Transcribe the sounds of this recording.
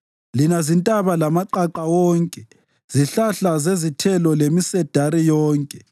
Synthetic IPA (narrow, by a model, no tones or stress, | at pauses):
linazintʼaβalamaǃaǃawɔːŋkʼɛ | z̥iɬaɬazezitʰɛlɔlemisɛd̥ʱaɾijɔːŋkʼɛ